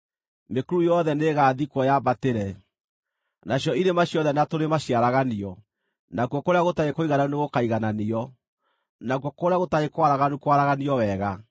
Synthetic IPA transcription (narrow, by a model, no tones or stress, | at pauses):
mekuɾujɔðɛneɣaːðikwɔjaːbateɾɛ | naɕjɔinemaɕjɔðɛnatoɾemaɕjaɾaɣaniɔ | nakwɔkoɾeaɣotaekoiɣanaoneɣokaiɣananiɔ | nakwɔkoɾeaɣotaekwaɾaɣanukwaɾaɣaniɔwɛɣa